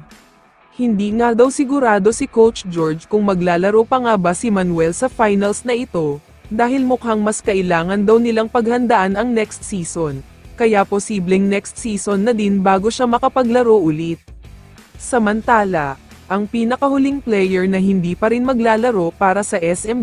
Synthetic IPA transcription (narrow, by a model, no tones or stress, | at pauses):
hɪnd̪iːŋad̪ɐwsɪɡʊɾaːd̪o̞sɪkowt͡ʃd͡ʒoɹd͡ʒkʊŋmɐɡlaːlɐɾo̞pɐŋabasɪmɐnwɛlsɐfajnɐlsnɐʔɪt̪o̞ | d̪aːhɪlmʊkaŋmɐskɐʔɪlaːŋɐnd̪ɐwnɪlaŋpɐɡ̚hɐnd̪ɐʔanɐŋnɛkst̪siːson | kɐjaposiːblɛŋnɛkst̪̚siːso̞nːɐd̪inbaːɡo̞ʃamɐkɐpɐɡlɐɾo̞ʔʊlit̪̚ | sɐmɐnt̪aːlɐ | ʔɐŋpiːnɐkɐhʊliŋplɛjɛɹnɐɦɪnd̪iːpɐɾinmɐɡlaːlɐɾo̞paːɾɐsɐʔɛsɛm